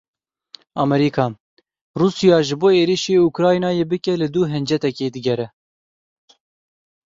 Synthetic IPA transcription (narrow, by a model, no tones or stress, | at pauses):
ɑmɛɾiːkʰɑː | ruːsijɑːʒɨboːeːɾiʃeːukɾɑːjinɑːjeːbɨkɛlɨd̪uːɦɛnd͡ʒɛt̪ɛkeːd̪ɨɡɛɾɛ